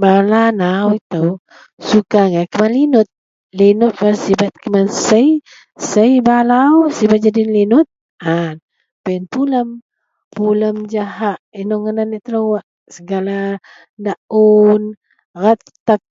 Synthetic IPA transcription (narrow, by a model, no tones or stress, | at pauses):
balanawit̪əw | sukaŋakəmanlinʊt̪̚ | linʊt̪̚basibat̪̚kəmansəj | səjbalawsibat̪̚d͡ʒadinlinʊt̪̚ | an | painpuləm | puləmd͡ʒahaʔinɔŋənaniʔt̪əlowaʔ | səɡala | daʔun | rat̪̚ː | ak̚